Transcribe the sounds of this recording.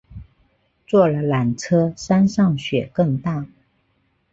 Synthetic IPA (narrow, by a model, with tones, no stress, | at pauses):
t͡swɔ˥˩lə˨la˨˥nʈ͡ʂʰɤ˥sa˥nʂɑ˥˩ŋɕɥɛ˨˩kɤ˥˧ŋt̪a˥˩